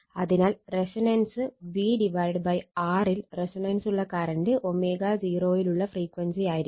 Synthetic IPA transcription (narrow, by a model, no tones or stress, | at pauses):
ɐðinaːlresɐnɐnsɨʋiːɖiʋɐjɖbɐjaːrilresinɐnsuɭːɐkaːɾɐɳɖɨʔomeːɡaːd͡ʑiːroːjiluɭːɐfriːkʋɐnsijaːjiɾi